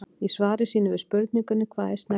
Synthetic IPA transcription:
isvaːɾɪsiːnʏvʏspʏɾt̪̚niŋkʏnːʏkʰvaːðɪst̪nɛ

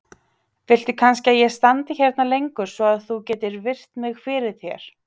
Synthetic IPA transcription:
fɪl̥t̪ɪkʰans̬cɪaðjɛst̪ant̪ɪçɛɾt̪nalejŋkʏɾ̥svɔaðθucɛːt̪ɪɾvɪr̥t̪mɪɣfɪɾɪð̥θjɛɾ̥

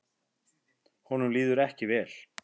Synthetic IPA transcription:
hɔnʏmliːðʏɾɛhcɪvɛːl̥

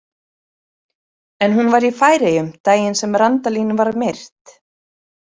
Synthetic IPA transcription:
ɛnɦunvaɾifaːjɾejʏmt̪aːjɪnsɛmɾant̪aliːnvaɾmejr̥t̪

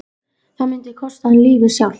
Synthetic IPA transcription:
θaðmɪnt̪ɪkʰɔst̪aɛnliːvɪsjawl

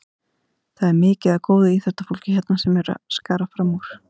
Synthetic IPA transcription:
θaðɛɾmɪːcɪðakoːwðʏiθɛst̪afol̥cɪçɛt̪nasɛmɛɾa̰skaːɾafɾamuɾ̥

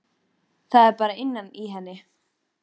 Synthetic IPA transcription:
θaðɛɾpaːɾaɪnːaniɦɛnːɪ

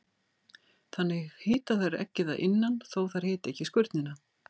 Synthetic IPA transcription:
θanːɪɣhɪːt̪aθaɾɛ̰hcːɪθaʔɪnːanθowθaɾ̥hɪːt̪ɛhcːɪskʏɾt̪nɪna

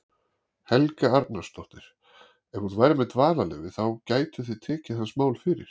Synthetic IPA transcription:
hɛlkaaɾt̪nast̪ɔht̪ɪɾ̥ | ɛnhuðvajɾamɛt̪vaːnalɛ̰ːvɪθawcaːjt̪ʏθit̪ʰɛːcɪθansmaːwlfɪɾɪ̰ɾ̥

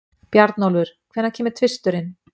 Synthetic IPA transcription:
pjaɾt̪nowlvʏɾ̥kʰvɛɾnacʰɛːmɪɾt̪ʰvɪst̪ʏɾɪn

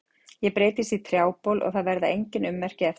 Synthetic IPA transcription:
jɛpɾeːjt̪ɪsit̪ʰɾjaːwpowlʔɔ̰ɣθaðvɛɾðɪ̰ejɲcɪnʏmːɛr̥cɪɛf

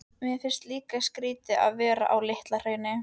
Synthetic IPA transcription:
mjɛfɪr̥st̪liːkaskɾiːt̪ɪʔa̰ðvɛːɾa̰ʔawlɪht̪lar̥eːɥjnɪ

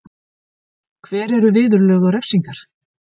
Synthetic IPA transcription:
kʰvɛːɾɛɾʏvɪːðʏɾlœːɣaɾɛfsiŋkaɾ̥

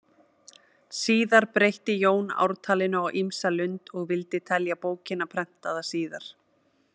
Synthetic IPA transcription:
siːðaɾpɾejht̪ɪjoːwna̰wɾ̥t̪ʰaːlɪnʏawʔimsalʏnt̪ɔɣvɪlt̪ɪt̪ʰɛljapoːwcɪnːapʰɾɛm̥t̪aðasiːðaɾ̥

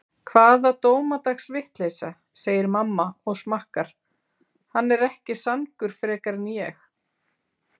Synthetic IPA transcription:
kʰvaːðat̪oːwmat̪axsvɪht̪leːjsa | seːjɪɾmamːaɔɣsmahkaɾ̥ | hanːɛɾɛhcɪsankʏɾ̥fɾɛːkaɾɪnjɛx

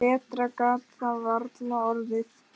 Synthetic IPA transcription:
ɛːt̪ɾakaːt̪θavaɾt̪naɔɾðɪθ

